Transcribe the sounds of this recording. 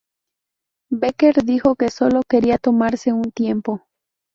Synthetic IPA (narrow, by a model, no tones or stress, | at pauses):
beke̞ɾðixo̞ke̞so̞lo̞ke̞ɾiat̪o̞maɾse̞unt̪je̞mpo̞